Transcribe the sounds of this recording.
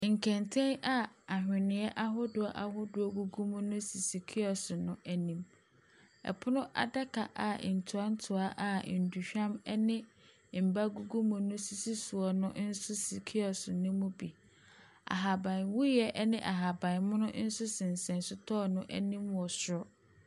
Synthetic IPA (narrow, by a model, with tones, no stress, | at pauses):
ŋ̩˨kʰɛ̃˨ntʰɛ̃˦na˦a˨hᶣɪ̃˨nɪ̃˨˦ɛ˦ʔa˦ɦʊ˦dʊ˨a˦˨ʔa˨hʊ˦dʊ˨ɔ˦ɡu˦ɡu˦mʊ̃˦nʊ̃˦si˨si˨kʰi˦ɔ˨sʊ˨nʊ̃˦ʔæ˨nĩ˦m | ɛ̰˨pʰʊ˦nʊ̃˦ʔa̰˨da˦kʰa˨ʔa˨n̩˨tʰʊ˨a˦n̩˦tʰʊ˨a˦ʔa˨n̩˨du˨ɕᶣã˦mɛ˦nɪ̃˦ | m̩˨ba˦ɡu˦ɡu˦mʊ̃˨nʊ̃˦si˨si˦sʊ˨ɔ˨nʊ̃˦n̩˦sʊ˦si˨kʰi˦ɔ˨sʊ˨nʊ̃˦mʊ̃˦bi˨ | a̰˨ɦa˨bã˨n˨wu˦jɛ˦ʔɛ˦nɪ̃˦ʔa˨ɦa˨bã˨n˨mʊ̃˦nʊ̃˦n̩˦sʊ˦sɪ̃˨n̩˨sɛ̃˨nsʊ˦tʰɔː˦nʊ̃˦ʔæ̰˦nĩ˦mwɔ˨sʊ˨ɾɔ˦